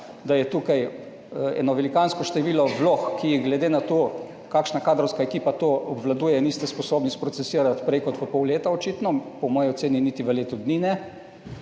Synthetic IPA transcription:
d̪ajɛt̪uːkaj | ɛ̰ːnɔʋɛlikanskɔʃt̪ɛʋiːlɔʋloxkijiɡlɛd̪enat̪o | kaːkʃnakaːd̪ɾɔwskaekiːpat̪oɔbʋlad̪uːjɛnist̪ɛspɔsoːbnispɾɔt̪sɛsiːɾat̪pɾeːkɔt̪pɔpɔwleːt̪aot͡ʃit̪nɔpɔmɔːjiot̪seːninit̪iʋəleːt̪ud̪ninɛ

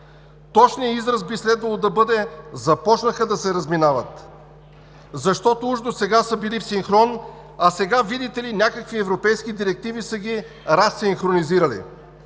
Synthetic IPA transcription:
t̪ɔt͡ʃnijəizɾəsbislɛd̪vɐlˠod̪ɐbɤd̪ɛzɐpɔt͡ʃnəxəd̪ɐsɛɾəzminavət̪ | zɐʃt̪ɔt̪ouʒd̪osɛɡasəbilifsiŋxɾɔn | ɐsɛɡavid̪it̪ɛlinʲakəkviɛvɾopɛjskid̪iɾɛk̚t̪ivisəɡʲi | ɾasːiŋxɾoniziɾəlḭ

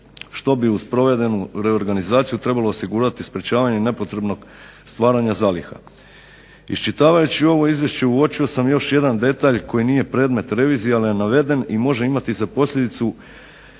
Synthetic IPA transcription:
ʃt̪o̞biuspɾo̞ʋe̞d̪e̞nuɾe̞o̞ɾɡanizaːt̪sijut̪ɾe̞balˠo̞ːsiɡuːɾat̪ispɾet͡ɕaːʋaɲe̞ne̞po̞t̪ɾe̞bno̞ɡ̥ | st̪ʋaːɾaɲazaːlixa̰ | ḭst͡ʃit̪aːʋajut͡ɕio̞ʋo̞izʋjeʃt͡ɕe̞uo̞t͡ʃio̞samjo̞ʃje̞d̪and̪e̞t̪aʎko̞jiniːje̞pɾe̞ːd̪me̞t̪ɾe̞ʋiːzijealijenaʋe̞d̪e̞nimo̞ʒe̞imat̪izapo̞slʎʲe̞d̪it̪su

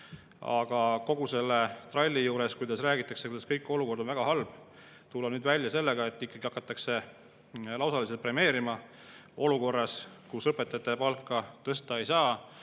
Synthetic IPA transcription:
ɑ̰ɡ̥ɑko̞ɡ̥use̞lːet̪rɑlʲːijuːɾe̞skujd̪ɑsræːɡit̪ːˑɑkse̞kujd̪̥ɑskɤjkːˑo̞luko̞rd̪onvæɡ̥ɑɦɑlb̥ | t̪ulːɑnyːd̪vælʲjɑse̞lːe̞ɡ̥ɑe̞t̪ːˑikːˑɑɡ̥iɑkːˑɑt̪ːˑɑkse̞ | lɑwsɑlis̬et̪̚pre̞me̞ːɾimɑ | o̞luko̞rːɑskusɤpːˑet̪ːˑɑt̪ːˑepɑlkˑːɑt̪ɤst̪ɑe̞jsɑː

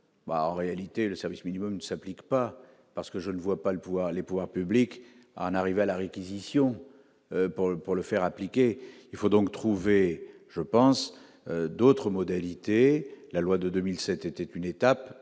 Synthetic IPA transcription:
ba̰ɑ̰̃ʁealit̪eləsɛʁvisminimɔmnəsaplikpa | paʁsə̥kəʒənəvwapaləpuvwaʁlepuvwaʁpyblik | a̰ɑ̃naʁivealaʁekʲizisjɔ̃ | øpuʁpuʁləfɛʁaplikʲeilfod̪ɔ̃kt̪χuveʒəpɑ̃s | ød̪ot̪χəmɔd̪alit̪elalwad̪əd̪ømilsɛt̪ɛt̪ɛt̪ynet̪ap

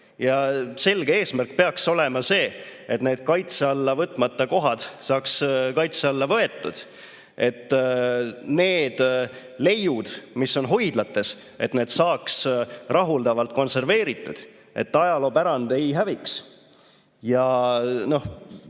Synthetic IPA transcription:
jɑse̞lɡ̥eeːsmærk̚ːpe̞ɑkso̞le̞mɑse̞ːet̪ne̞ːd̪̥̚kɑjt̪seɑlːɑvɤt̪ːˑmɑt̪ːˑɑko̞ɦɑd̪̥sɑːkskɑjt̪seɑlːɑvɤe̞t̪ˑːud̪̥ | ʔe̞t̪ːˑ | ne̞ːd̪̥ | le̞jud̪̥misːo̞nɦo̞jd̪̥lɑt̪ːˑe̞s | e̞t̪ne̞ːd̪̥sɑːksrʔɑɦuld̪̥ɑvɑlt̪̚ko̞nse̞rve̞ːɾit̪ːˑud̪̥ | e̞̰t̪ːɑjɑlo̞ːpæɾɑnd̪̥e̞jɦæviks | jɑno̞h

